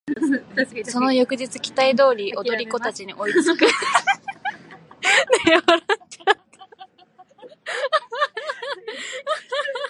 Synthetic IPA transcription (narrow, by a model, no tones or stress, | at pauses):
so̞no̞jo̞kɯ̟d͡ʑit͡sɨkʲi̥t̪aid̪o̞ːɾʲiʔo̞d̪o̞ɾʲiko̞t̪at͡ɕiɲ̟iʔo̞it͡sɨkɯ | d̪eaɾatːat̪ːa